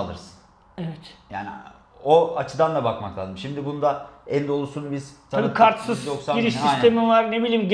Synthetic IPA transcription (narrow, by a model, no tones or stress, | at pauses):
lˠɯ̰ɾsɯ̥n | evɛt̪ja̰ːnḭ | oat͡ʃʰɯd̪and̪abakmaklˠaːzɯmʃimd̪ibunud̪aɛnd̪o̞lˠusunubizt̪ʰaaikʰaɾt̪sɯzjoksaiɾiʃisnʰe̞mivaɾne̞bilʲiːmɟ